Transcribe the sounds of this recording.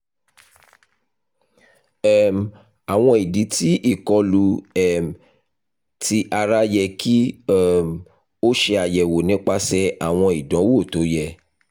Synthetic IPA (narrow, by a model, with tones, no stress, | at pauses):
ɛ˦m˨ | a˨w̃ɔ̃˧i˨di˨˦ti˦ʔi˦˨kɔ˧lu˧ɛ˨m˨ | ti˧ʔa˧ɾa˦jɛ˧kʰi˦ɛ˦˨m˨ | o˦ʃe˧a˨jɛ˨wo˨nĩ˨˦k͡pa˦sɛ˦a˦˨w̃ɔ̃˧i˨dɔ̃˨˦wo˦˨to˨˦jɛ˧